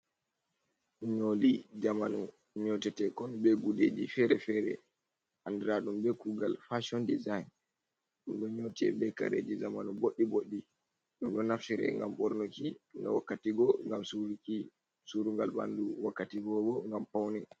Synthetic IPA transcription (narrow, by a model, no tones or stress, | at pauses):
ɲolid͡ʒamanɔ | ɲɔtɛtɛkɔnbɛɡuded͡ʒifɛɾɛfɛɾɛ̰ | andɛɾaɗumbɛkuɡalfaʃɔndizajn | ɗumɗɔɲɔtɛ̰bɛka̰ɾḛd͡ʒizamanuboɗːiboɗːi | ɗumɗɔnafsiɾɛ̰ŋɡa̰mɓɔɾnokinɔ̰wakːatiɡɔŋɡamsuɾki | suɾuŋɡalba̰nduwakːatiɡɔbɔŋɡampawnɛ